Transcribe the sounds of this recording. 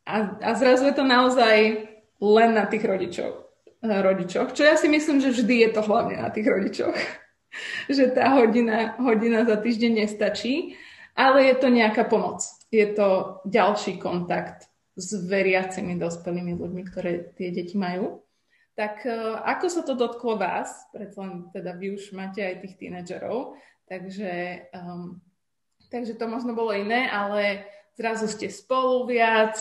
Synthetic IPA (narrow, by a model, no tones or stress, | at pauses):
ʔaazɾazujɛt̪ɔnaɔzaj | lɛnːat̪iːɣɾɔɟit͡ʃɔ̰ | ɾɔɟit͡ʃɔxt͡ʃɔjasimisliːmʒɛvʒd̪ijɛt̪ɔɦlaʊɲɛ̰na̰t̪iːɣɾɔɟit͡ʃɔ̰x | ʒɛt̪aːɦɔɟinaɦɔɟinazat̪iːʒɟɛɲɲɛst̪at͡ʃiːʔalɛjɛt̪ɔɲɛakaːpɔmɔt͡s | jɛt̪ɔɟalʃiːkɔnt̪akt̪ | zʋɛɾɪat͡simid̪ɔspɛliːmizlṵɟmikt̪ɔɾɛːt̪ɪɛɟɛcimajuː | t̪akʔakɔsat̪ɔd̪ɔt̪klɔʋa̰ːspɾɛtt͡salɛnt̪ɛd̪aʋiuʒmaːcɛajt̪iːxt̪ḭnad͡ʒɛ̰ɾɔ̰ʊ | t̪aɡʒɛ | t̪aɡʒɛt̪ɔmɔʒnɔbɔlɔinɛːʔalɛzɾazuscɛspɔluʋɪat͡s